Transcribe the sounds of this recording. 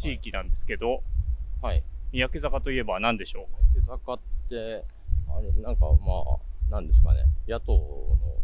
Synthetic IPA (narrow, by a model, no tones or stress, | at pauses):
t͡ɕiːkʲinãnd̪e̞sɨ̥ke̞d̪o̞haimʲijake̞zakat̪o̞ie̞banãnd̪e̞ɕo̞ːmijakezakat̪ːe̞ | a̰ɾenãŋka̰ma̰ːnãnd̪e̞sɨ̥ka̰nḛjat̪ono̰